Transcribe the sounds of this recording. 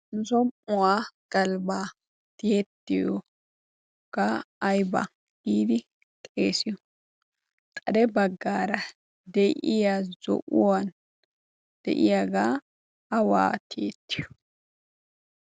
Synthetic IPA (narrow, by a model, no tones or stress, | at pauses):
nzɔmʊwaːɡ̥ɐlbaː | t̪et̪ːɪjɔ | kaːjba̰ | ɡ̥iːd̪ɪ | tʼḛːsɪjɔ | k̪ʼɐd̪ɛbɐɡːaːɾɐ | d̪ɛjʔɪjaːzɔ̰ʔʊwan | d̪̥ɛ̰ʔɪjaɡaː | ɐwa̰ːt̪ʰeːt̪ːɪ̥jɔ̥